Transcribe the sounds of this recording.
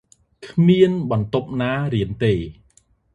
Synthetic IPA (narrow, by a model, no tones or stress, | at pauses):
kʰmiənɓɑnt̪op̚naːɾiənt̪eː